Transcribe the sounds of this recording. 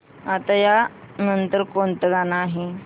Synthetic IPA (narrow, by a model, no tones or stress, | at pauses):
at̪aja | nənt̪əɾkont̪əɡanaːɦe